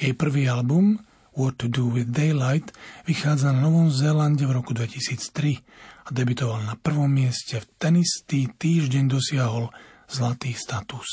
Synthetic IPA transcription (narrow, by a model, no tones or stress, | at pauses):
jɛjpr̩ʋiːalbum | wɔt̪ːud̪uwiðd̪ɛjlajt̪ʋixaːd͡zananɔʋɔmzɛlanɟɛvɾɔkud̪ʋɛcisiːt͡st̪ɾiad̪ɛbit̪ɔʋalnapr̩ʋɔmːɪɛscɛft̪ɛnist̪iːt̪iːʒɟɛɲd̪ɔsɪaɦɔlz̥lat̪iːst̪at̪us